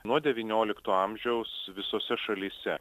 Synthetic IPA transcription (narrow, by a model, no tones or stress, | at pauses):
nuɔd̪ʲɛʋʲiːnʲoːlʲɪkt̪oːɑmʲʒʲɛʊsʋʲɪsoːsʲɛʃɐlʲiːsʲɛ